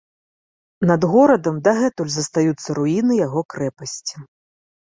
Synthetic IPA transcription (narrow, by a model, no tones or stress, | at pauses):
nɐd̪ɣɔɾɐd̪ɐmd̪ɐɣɛt̪ulʲzɐst̪ajut̪sːɐɾuinɨjaɣɔkɾɛpɐsʲt͡sʲi̥